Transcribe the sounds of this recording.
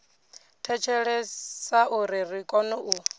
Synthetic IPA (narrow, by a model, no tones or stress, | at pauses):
tʰɛt͡ʃʰɛɺɛsaʔuɾirikʼɔnuʔu